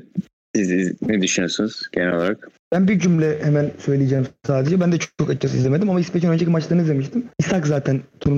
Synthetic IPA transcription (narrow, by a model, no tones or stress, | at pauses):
siznɛd̪yʃnjoɾsunuz̥ɟenɛo̰lˠa̰ɾakb̥ænbid͡ʒymlʲɛhemænsø̞jlʲijed͡ʒeːmsaːd̪ed͡ʒɛbænd̪ɛt͡ʃʰokat͡ʃʰasɯḭzʲeme̞d̪imamaispet͡ʃʰinønd͡ʒecimat͡ʃlˠaɾnɯzd̪emiʃt̪ʰimisakzaːt̪ʰænt̪ʰunu